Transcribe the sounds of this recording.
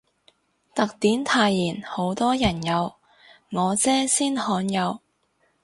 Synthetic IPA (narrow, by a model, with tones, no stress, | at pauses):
t̪ɐ˨k̚t̪iː˨˥nt̪ʰaː˧jliː˨˩nho˨˥wt̪ɔː˥jɐ˨˩njɐ˨˧w | ŋɔː˨˧t͡sɛː˥siː˥nhɔː˨˧˥njɐ˨˧w